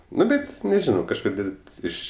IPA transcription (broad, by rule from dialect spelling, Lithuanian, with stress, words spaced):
ˈnʊ ˈbʲɛt nʲɛˈʒʲɪnoː kɐʃˈkoːdʲeːlʲ ˈɪʃ